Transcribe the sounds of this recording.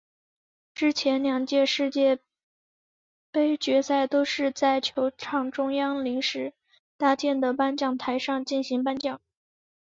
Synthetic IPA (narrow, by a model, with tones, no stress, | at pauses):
ʈ͡ʂɻ̩˥t͡ɕʰjɛ˧˥nljɑ˨˩ŋt͡ɕjɛ˥˧ʂɻ̩˥˧t͡ɕjɛ˥˩ | pe˥ɪt͡ɕɥɛ˧˥sa˥˩ɪt̪o˥ʊʂɻ̩˥˧t͡sa˥˩ɪt͡ɕʰjo˧˥ʊʈ͡ʂʰɑ˥˩ŋʈ͡ʂʊ˥ŋjɑ˥ŋli˧˥ŋʂɻ̩˧˥ | t̪a˥˧t͡ɕjɛ˥˩nd̪ə˩pa˥nt͡ɕjɑ˥˩ŋt̪ʰa˧˥ɪʂɑ˥˧ŋt͡ɕi˥˩nɕi˧˥ŋpa˥nt͡ɕjɑ˥˩˦ŋ